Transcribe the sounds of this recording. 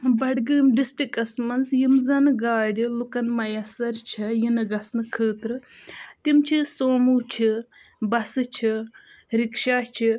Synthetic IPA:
bɐɽɡɨːmɖisʈikɐsmɐnzjimzɐnɨɡaːɽʲilukɐnmɐjɐsɐɾt͡ʃʰɐjinɐɡɐsnɨkʰəːt̪ɾɨt̪imt͡ʃʰisoːmut͡ʃʰi | bɐsɨt͡ʃʰi | ɾikʃaːt͡ʃʰi

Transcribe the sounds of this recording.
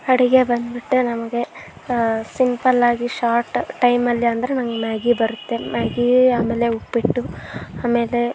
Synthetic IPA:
ɐɽiɡe̞bɐnd̪biʈːunɐmɐɡe̞ | simpɐlaːɡiʃaːɾʈʈːɐjmɐlːiɐnd̪ɐɾenɐŋɡemjaːɡibɐɾut̪ːe̞maːɡiaːmeːle̞upːiʈːuaːme̞ːle̞

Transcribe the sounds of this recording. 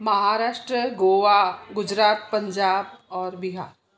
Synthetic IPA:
mɐɦaːɾaːʃʈɾəɡoːʋaɡʊd͡ʒɾaːt̪̚pɐ̃ɲd͡ʒaːbɔːɾbɪɦaːɾ

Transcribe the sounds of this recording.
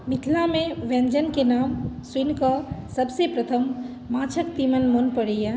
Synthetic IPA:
mɪt̪ʰlamẽʋɛ̃nd͡ʒənkenaːmswɪnkasɐbsepɾət̪ʰəmː | aːt͡ʃʰəkt̪imənmonpəɽija

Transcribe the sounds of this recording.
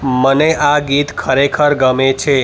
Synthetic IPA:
məneʔaɡit̪kʰəɾekʰəɾɡəmet͡ʃʰe

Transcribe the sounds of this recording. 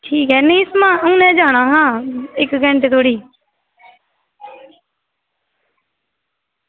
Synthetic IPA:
ʈʰiːkɦɛːnẽːɪsmãːəũːnɛ̃ːd͡ʒaːɽ̃ãːɦãːɪkɡə̃ɳʈt̪ʰoːɽiː

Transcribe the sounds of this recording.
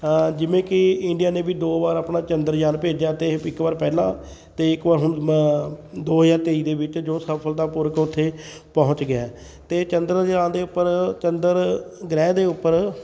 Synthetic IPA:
d͡ʒɪʋẽːkɪɪɳɖijaːnẽːbiːd̪oːbaːɾaːpnaːt͡ʃənd̪əɾd͡ʒaːnpeːd͡ʒjaːt̪eːɪkbaːɾpɛːlãː | t̪eːɪkbaːɾɦʊn | d̪oːɦəzaːɾt̪eːiːd̪eːbɪt͡ʃd͡ʒoːsəpʰəld̪aːpʊɾəkʊt̪ʰːeːpɔɦʊ̃t͡ʃɡɪaː | t̪eːt͡ʃənd̪əɾəd͡ʒãːnd̪eːʊpːəɾt͡ʃənd̪əɾɡɾɛːd̪eːʊpːəɾ

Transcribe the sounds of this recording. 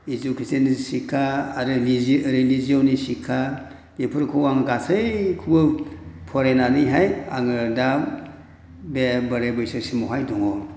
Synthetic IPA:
izukʰisenisikʰaɾɯizɾeliziɔwnisikʰa | bepʰɯɾkʰowaŋɡasɯjkʰubɯpʰɔɾenaniɦaja̰ŋɯdam | bebɯɾebɯjsɯsimɔɦajdɔŋɔ

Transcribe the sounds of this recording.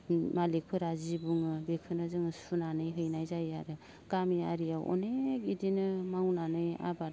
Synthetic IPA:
malek̚pʰɯɾazibuŋɯbekʰɯnazɯŋɯsunanɯjɦɯjnajzajaɾɯ | ɡ̥amiaɾiawʔɔ̰nekidinɯmawnanɯja̰baɾ

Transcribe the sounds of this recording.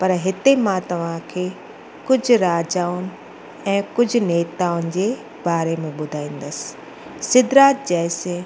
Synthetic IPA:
pɐɾɦɪt̪emãt̪ɐʋ̤ãkʰeː | kʊd͡ʑʱɾaːd͡ʑaːʊnɪ̆ | ɛ̃ːkʊd͡ʑʱʊ̆neːt̪aːʊnɪ̆d͡ʑeː | baːɾemẽɓʊd̪ʱaːĩːn̆d̪əsɪ̥ | sɪd̪ɾaːt̪̚d͡ʑɛɦse

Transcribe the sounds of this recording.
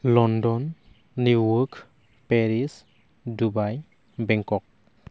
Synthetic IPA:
lɔndɔnː | uwɔk | pɛɾis | dubaj | bɛŋkɔk̚

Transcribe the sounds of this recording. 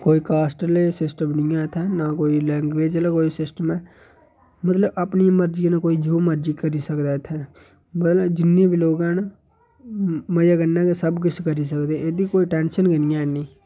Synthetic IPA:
koːiːkaːsʈəlesɪsʈəmnɪjãːt̪ʰɛːnakoːiːlɛːŋɡʋeːd͡ʒlaːkoːisɪsʈəmɛː | mət̪ləbəpnijãməɾd͡ʒiːãnaːkoːiːd͡ʒoːməɾd͡ʒiːkəɾiːsəkd̪aːt̪ʰɛ̃ː | mət̪ləd͡ʒɪnːẽːbiloːɡãːn | məjaːɡənːãːkesəbkɪt͡ʃʰkəɾiːsəkd̪eɛ̃eːd̪iːkoːiːʈɛːnʃənkənɪjãːɦɛːnĩː

